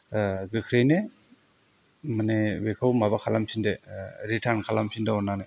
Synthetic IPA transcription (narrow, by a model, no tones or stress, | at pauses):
ɡɯkʰɾejne | manewekʰawmabakʰalamsʰindeɾitʰaɾnkʰalamsindaɔnːane